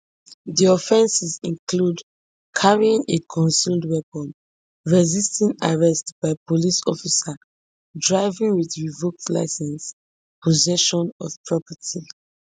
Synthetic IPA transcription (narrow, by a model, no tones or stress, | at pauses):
ðiɔfɛ̃nsizĩnkʰlud | kʰaɹiĩŋekʰɔ̃nsuldwɛpɔ̃n | ɹɛzistʰɛ̃naɹɛstb̥aɪpolisɔfisa | dɹaɪvĩŋwiθɹivok̚tla̰ɪsɛ̃ns | pʰozɛʃɔ̃nɔv̥pʰɹɔpətʰi